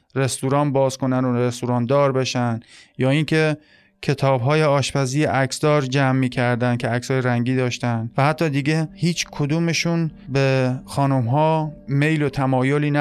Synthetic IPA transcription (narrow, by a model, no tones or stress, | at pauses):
ɾe̞st̪uɾɒːnbɒːzkonænoɾest̪uɾɒːnd̪ɒːɾbe̞ʃænd̪jɒːiŋkʰe̞ | kʰe̞t̪ʰɒːbɦɒːjeɒːʃpæziːjeʔæksd̪ɒːɾd͡ʒæmːiːkʰæɾd̪ænd̪kcʰe̞ækshɒːjeɾæŋɟiːd̪ɒːʃt̪ænd̪væhæt̪ʰːɒːd̪iɡehiːt͡ʃʰkʰod̪uːmeʃunbexɒːnumɦɒːme̞jlot̪ʰæmɒːjoliːnæ